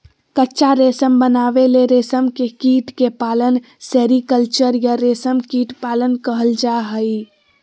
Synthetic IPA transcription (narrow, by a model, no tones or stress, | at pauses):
kətːt͡ʃaɾeːsəmbənaːʋeleɾeːsəmkekiːʈkepaːlən | seːɾikəlt͡ʃəɾjaɾeːsəmkiːʈpaːlənkəɦəld͡ʒaːɦəi